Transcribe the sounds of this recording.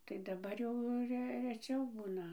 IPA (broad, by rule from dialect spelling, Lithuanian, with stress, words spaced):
tɐɪ dɐˈbɐr jɛʊ ˈrʲɛ rʲɛˈt͡ʃʲɛʊ ˈbuːnɐ